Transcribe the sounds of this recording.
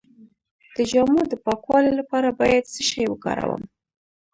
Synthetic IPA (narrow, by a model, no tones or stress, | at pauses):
d̪̥əd͡ʒamud̪əpɑkwɑlolapɑɾabɑjad̪səʃɑjwəkɑ̰ɾa̰wə̰m